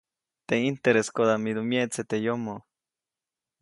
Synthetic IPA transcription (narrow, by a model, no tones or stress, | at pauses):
t̪eint̪eɾeskoðamid̪umjeʔt͡set̪ejomo